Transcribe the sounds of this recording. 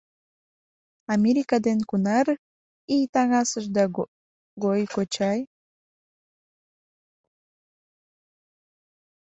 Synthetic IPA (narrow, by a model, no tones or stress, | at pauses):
ameɾikad̪eŋkʊnaɾ | it̪aŋasaʃd̪a | ɡojkot͡ʃaj